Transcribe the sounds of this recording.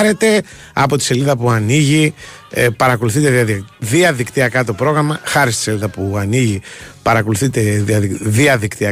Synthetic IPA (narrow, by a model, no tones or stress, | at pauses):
ɾe̞t̪e̞ | ɐpo̞t̪i̥se̞liðɐpuɐniʝi | pɐɾɐko̞luθit̪eðiɐðikt̪iɐkɐt̪o̞pɾo̞ɣɾɐmɐxɐɾist̪ise̞liðɐpuɐniʝipɐɾɐko̞luθit̪e̞ðiðiɐðikt̪iɐ